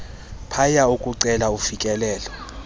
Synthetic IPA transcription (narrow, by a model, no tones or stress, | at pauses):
pʰajaukʼuǀɛlaufikʼɛlɛːlɔ